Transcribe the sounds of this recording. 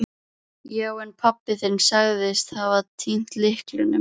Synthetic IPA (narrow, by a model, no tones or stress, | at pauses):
jawɛnpʰapːɪθɛɾnsaɣðɪst̪havat̪ʰːin̥t̪lɪhklɪnːʏ̰